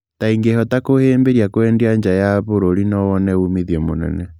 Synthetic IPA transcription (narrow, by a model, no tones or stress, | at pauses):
taiŋɡehɔtakoheːmbeɾiakwɛːndiaɲd͡ʒajaβoɾoɾinɔwɔnɛumiðiɔmonɛ̰nɛ